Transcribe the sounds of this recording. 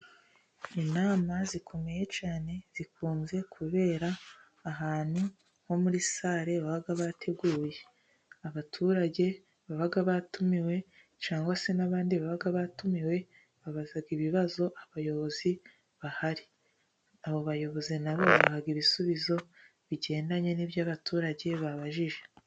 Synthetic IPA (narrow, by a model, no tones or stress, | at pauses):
inaːmazikʰo̞meje̞t͡ʃaːne̞z̥ikuːnze̞kʰuβe̞ːɾaː | ɦaːnu | ho̞muɾisaːɾe̞βaβaɡaβatʰe̞ɡuːje̞ | aβatʰuːɾaɟe̞ | βaβaɡaβatumiwe̞ | t͡ʃaːŋɡwase̞naβaːndiβaβaɡaβatumiwe̞ | βaβazaɡiβiβazo̞ʔaβajo̞βo̞zi | βahaɾi | aβo̞βajo̞βo̞zinaβo̞βaahaɡiβisuβizo̞ | βiɟe̞ːndaɲe̞nibjaβatuːɾaɟe̞βaβaʒiʒe̞̥